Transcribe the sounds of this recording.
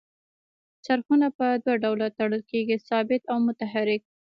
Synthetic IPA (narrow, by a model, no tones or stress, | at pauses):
t͡ʃaɾxunapəd̪waɖawlat̪aɽəlkeɡisɑbɪt̪awmʊt̪aɦaɾɪk̚